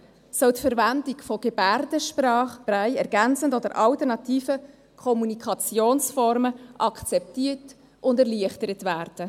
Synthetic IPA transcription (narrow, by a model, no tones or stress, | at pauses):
sœwtfəɾvændiɡfɔɡ̥ebærdəʃprɑːχb̥raɪɛɾɡænt͡səndodəɾʔɑltɛɾnɑtiːfə | kʰɔmunikʰɑt͡sjoːnsfɔɾməʔɑkʰt͡sɛp̚tiːət | ʔʊndɛrliəχtəɾətvæːɾd̥ə